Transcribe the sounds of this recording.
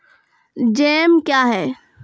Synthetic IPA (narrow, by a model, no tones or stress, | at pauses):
d͡ʒɛːmkjaɦɛː